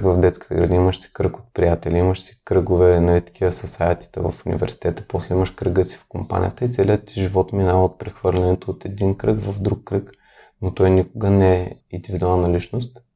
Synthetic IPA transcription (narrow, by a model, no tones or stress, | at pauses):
kvɐvd̪ɛt̪ski̥t̪ɛ̰ɡɾɐd̪iiməʃsi̥kɾəkot̪̚pɾijat̪ɛliiməʃsi̥kɾɤɡʊvɛnɐlit̪ɐ̥kʰivəsɐsaɛt̪i̥t̪ɛ̰vɐ̰funḭvɛ̰ɾsi̥t̪ɛt̪ə̥pɔslɛiməʃkɾəɡəsi̥fkompa̰nʲḭjət̪əit̪sɛliət̪ːiʒivɔt̪minavəot̪̚pɾɛxvɤɾlʲɛnɛt̪oːt̪ɛd̪inkɾɤɡvɐvd̪ɾukːɾɤk | not̪ɔjnʲikʊɡənɛind̪ivid̪ualˠnɐlit͡ʃnost̪